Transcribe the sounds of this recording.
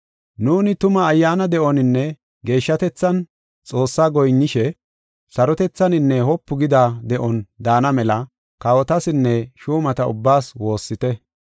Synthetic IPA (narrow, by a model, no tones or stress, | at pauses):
nuːnɪt̪ʊmɐːjːaːnɐd̪ɛʔɔnɪnːɛ | ɡe̞ːʃːɐt̪ɛt͡sːɐn | t͡sʼo̞ːsːaːɡɔjnːɪʃɛ | sɐɾɔt̪ɛt͡sːɐnɪnːɛhɔpːʊɡɪd̪ad̪ɛʔɔnd̪aːnɐmɛlɐ | kawɔt̪ɐsɪnːɛʃuːmɐt̪ɐʊ̰bːaːswo̞ːsːɪt̪ɛ